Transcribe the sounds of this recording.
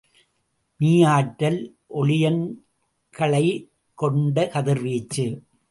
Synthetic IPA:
niːjaːʈːɐl | ʔɔɭɪjɐn | kɐɭɐɪ | kɔɳɖɐkɐðɪɾʋiːt͡ʃːɯ

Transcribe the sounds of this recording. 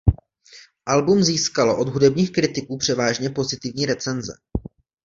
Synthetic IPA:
ʔalbumziːskaloʔo̞dɦudɛbɲiːxkɾɪt̪ɪkuːpr̝̥ɛvaːʒɲɛpo̞zɪt̪ɪvɲiːɾɛt͡sɛnzɛ̰

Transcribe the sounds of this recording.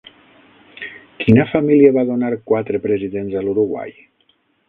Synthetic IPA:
kinafamiliaβaðonaɾkwat̪ɾepɾeziðenzaluɾuɣwa̰j

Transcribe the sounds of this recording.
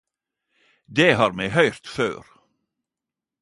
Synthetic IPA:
d̪eːɦɑːɾmɛːhœʏɾt̪fø̰ːɾ

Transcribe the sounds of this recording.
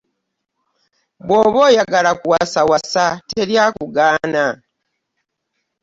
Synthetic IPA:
bwoːβoːjaɡalakuwasawasateljaːkuɡaːna

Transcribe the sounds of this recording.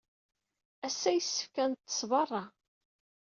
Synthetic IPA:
æsːæjəsːə̥fkænt̪ːə̥sˤvɑrˤːɑ

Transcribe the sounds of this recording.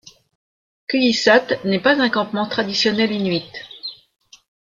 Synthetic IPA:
kyjisat̪nɛpazɛ̃kɑ̃pmɑ̃t̪χad̪isjɔnɛlinɥit̪

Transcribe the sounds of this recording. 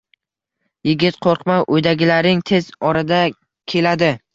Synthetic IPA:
jɪɡʲɪt̪qʰoɾqmaʔojd̪aɡʲɪlaɾɪŋt̪ʰe̞zɒɾad̪a | kʲʰe̞lad̪ɪ

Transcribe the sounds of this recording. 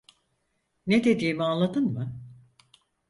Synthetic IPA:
ned̪e̞d̪iːmianlˠad̪ɯnmɯ

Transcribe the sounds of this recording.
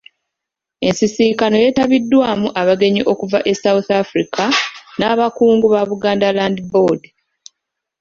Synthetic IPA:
e̞nsisikano̞je̞taβidːwaːmuʔaβaɡe̞ɲiʔo̞kuvaʔe̞sawuθafɾikʰanaːβakuːŋɡuβaβuɡaːndalaːndibo̞d

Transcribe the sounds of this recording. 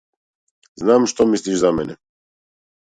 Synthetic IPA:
znamʃt̪omisliʃzamɛnɛ

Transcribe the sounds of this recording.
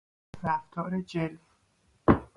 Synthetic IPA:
ɾæft̪ʰɒːɾed͡ʒelf

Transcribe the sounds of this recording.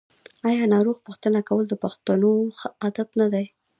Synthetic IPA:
ɑjɑnɑɾoɣpuxt̪ənakawəld̪əpaxt̪anoxəad̪at̪nad̪aj

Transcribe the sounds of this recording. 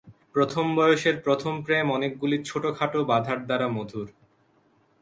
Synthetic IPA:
pɾot̪ʰombɔeoʃeɾpɾot̪ʰompɾemɔnek̚ɡuliɾt͡ɕʰoʈokʰaʈobad̪ʱaʈ̚d̪aɾamod̪ʱuɾ

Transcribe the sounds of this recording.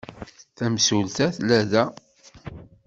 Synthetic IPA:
θæmsult̪æθlæðæ

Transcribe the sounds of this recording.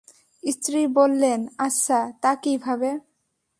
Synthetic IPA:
ist̪ɾibolːenaʃat̪akibʱabe

